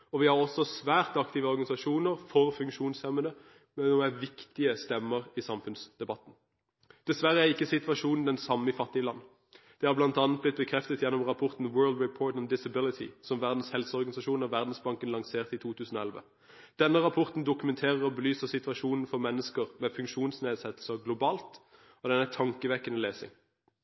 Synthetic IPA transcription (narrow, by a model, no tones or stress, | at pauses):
ɔʋɪhɑʁɔsːɔsʋæːʁt̪ɑkt̪ɪʋəɔʁɡɑnɪsɑʃuːnəʁfɔʁfʉŋkʃuːnshɛmːənə | mɛɔæʋɪkt̪ɪəst̪ɛmːəʁisɑmfʉnsd̪ɛbɑt̪ːn̩ | d̪̥ɛsʋæʁəæɪkːəsɪt̪ʋɑʂuːnn̩d̪ɛnsɑmːɪfɑt̪ːɪəlɑnː | d̪̥ɛhɑʁblɑnt̪ɑnət̪blɪt̪̚bəkʰʁɛft̪ət̪jɛnːɔmʁɑpʰɔʁt̪n̩wɜːld̪ɹɪpʰoːʈ̪ɔnd̪ɪsəbɪlɪt̪ʰɪ̰sɔmʋæʁd̪n̩shɛlsəɔʁɡɑnɪsɑʃuːnɑʋæʁd̪n̩sbɑŋkənlɑŋseːʁt̪it̪ʰuːt̪ʰʉːsn̩oːɛlʋə̰ | d̪̥ɛnːəʁɑpʰɔʁt̪n̩d̪ʊkʉmɛnt̪ʰeːʁəʁɔbəlyːsəʁsɪt̪ʋɑʃuːnn̩fɔʁmɛnːəskəʁmɛfʉŋkʃuːnsneːd̪sɛt̪l̩səɡlʊbɑːlt̪ | ɔd̪ɛnæt̪ʰɑŋkəʋɛkːənəleːsɪ̰ŋ